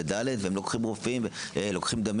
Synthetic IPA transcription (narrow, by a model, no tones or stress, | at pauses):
ed̪aled̪veemlokχimʁofimvelo̞kχimd̪am